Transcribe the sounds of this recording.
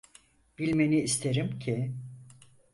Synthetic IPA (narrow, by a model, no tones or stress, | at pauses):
b̥ilʲme̞niːst̪ʰeɾimcʰi